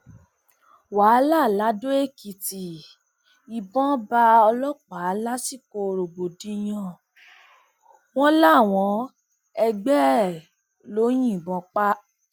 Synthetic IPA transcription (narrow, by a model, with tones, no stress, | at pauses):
wa˨˦la˦˨la˨˦do˦e˦˨ki˨ti˨ | i˨bɔ̃˦ba˧ɔ˧lɔ˦k͡pa˨˦la˦si˦˨ko˧˨ɾo˨bo˨dĩ˨˧˦j̃ɔ̃˦˧˨ | w̃ɔ̃˦la˦˨w̃ɔ̃˨˦ | ɛ˧ɡ͡bɛ˦ | lo˨˦j̃ĩ˦˨bɔ̃˧˦k͡pa˦